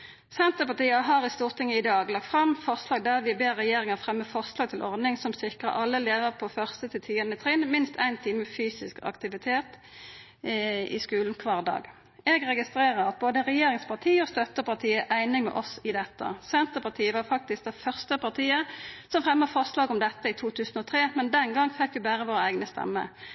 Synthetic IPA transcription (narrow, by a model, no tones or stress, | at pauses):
sɛnt̪əpɑt̪iːəɦɑːʁɪst̪uːʁt̪ʰɪŋːəɪd̪ɑːɡlɑk̚t̪fʁɑmfɔʁslɑːɡ̚d̪æʁʋɪbeːʁɛjeːʁɪŋəʁfʁɛmːəfɔʁslɑːɡ̚t̪ʰɪlʔɔʁd̪nɪŋsɔmsɪkʁə̰ʔɑlːəleːʋəʁpʰɔfœʁst̪ət̪ʰɪlt̪ʰiːənət̪ʰʁɪnmɪnst̪ʰæ̰ɪnt̪ʰiːməfyːsɪskɑ̰kt̪ɪʋɪt̪ʰeːt̪ | ɪ̰skʉːln̩kʰʋɑːʁd̪ɑ̰ːɡ | ɛɡʁɛɡɪst̪ɾeːʁəɾɑt̪̚boːd̪əʁɛjeːɾɪŋspʰɑʁt̪ʰiːɔst̪œt̪ːəpɑʁt̪ʰiːəʔæɪnɪŋmɛ̰ʔɔsɪd̪ɛt̪ːə̰sɛnt̪əpɑt̪ʰiːəʋɑʁfɑk̚t̪ɪsk̚d̪ɛfœʁst̪əpʰɑʁt̪ʰiːəsɔmfʁɛmːəfɔʁslɑːɡɔmd̪ɛt̪ːəɪt̪ʰuːt̪ʰʉːsn̩ɔt̪ʰʁeːmɛnd̪ɛnɡɑŋfɛkːʋɪbæːʁəʋoːɾəæɪɡnəst̪ɛ̰mːə̰